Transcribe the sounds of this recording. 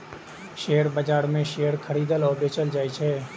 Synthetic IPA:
ʃeːəɾbəd͡ʒaːɽmẽʃeəɾkʰəɾiːd̪əlɔːbet͡ʃəld͡ʒaːit͡ʃʰeː

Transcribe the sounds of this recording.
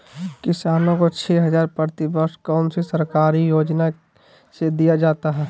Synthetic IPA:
kɪsaːnõkot͡ʃʰɛɦɐzaːɾpəɾt̪ɪbəkʃkɔːnsesəɾkaːɾijoːd͡ʒna | sed̪ijad͡ʒaːt̪aɦɛː

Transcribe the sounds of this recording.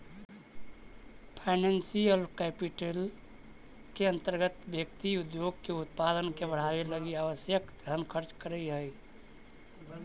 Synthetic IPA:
pʰaɪnensiəlkɛpiʈel | keə̃nt̪əɾɡət̪bjək̚t̪iud̪joɡ̚keut̪̚pad̪ənkebəɽ̤aweləɡiaʋəsjəkd̪ʱənkʰəɾt͡ʃkəɾəɦəj

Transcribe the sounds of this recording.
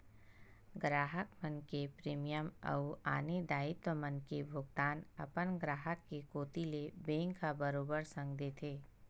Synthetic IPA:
ɡɾaːɦəkmənkepɾeːmijəmɐ̰ua̰ːned̪aːɪt̪wəmənkebʱʊɡt̪aːnɐ̰pənɡɾaːɦəkːekoːt̪ilebẽːŋkabəɾoːbəɾsɐ̃ŋɡd̪eːt̪ʰeː

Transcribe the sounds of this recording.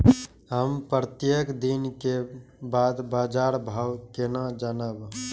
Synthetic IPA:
ɦəmpɾət̪jekd̪inkebaːd̪baːd͡ʒaːɾbʱaːwkenad͡ʒənəb

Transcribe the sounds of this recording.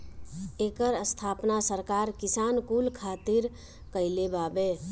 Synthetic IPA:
eːkəɾəst̪ʰaːpnasəɾkaɾkisankulkʰat̪iɾ | kəɪlebabe

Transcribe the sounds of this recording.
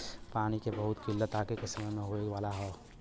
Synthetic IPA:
paːɽ̃ikebɐɦʊt̪kɪlːət̪aːkekɪsɪmə̃mẽɦoːeʋaːlaɦɛː

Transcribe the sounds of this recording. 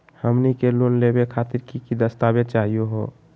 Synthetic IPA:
həmnikelonlebekʰat̪iɾkikid̪əst̪abet͡ʃaɦijoɦo

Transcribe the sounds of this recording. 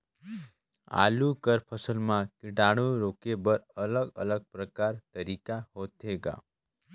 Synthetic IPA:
a̰lukəɾpʰəsəlmãkiʈaɽ̃ũɾokebəɾələɡə̰ləɡ̚pɾəkaɾt̪əɾikahot̪ɦeɡa̰

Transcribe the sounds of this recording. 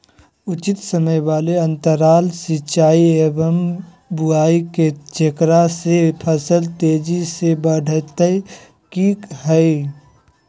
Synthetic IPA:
ʊt͡ʃɪt̪səməjʋaːleɐ̃nt̪əɾaːlsɪt͡ʃaːieːbəm | buaːiket͡ʃəkɾasepʰəsəlt̪eːd͡ʒisebəɖʱt̪ə | kiːkɦɛi

